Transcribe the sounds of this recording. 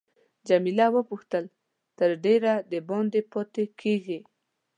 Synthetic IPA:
d͡ʒamilawəpuxt̪əl | t̪əɾɖeɾad̪əbɑnd̪epɔt̪ekʰeɡi

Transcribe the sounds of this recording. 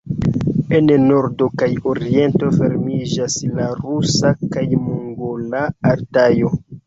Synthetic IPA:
enno̞ɾdo̞kajoɾie̞nto̞fe̞ɾmid͡ʒaslaɾusakajmuŋɡolaːɾtajo̞

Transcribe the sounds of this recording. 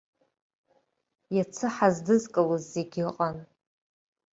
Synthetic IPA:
jat͡sʰɨħazdɨzkʼawɨzːeɡʲɪqʼan

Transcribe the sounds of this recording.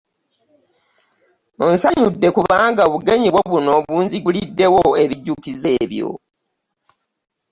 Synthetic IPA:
onsaɲudːe̞kuβaːŋɡaoβuɡe̞ɲiβwoβuno̞βuːnziɡulidːe̞wo̞e̞βiɟːukize̞ːβjo̞̰

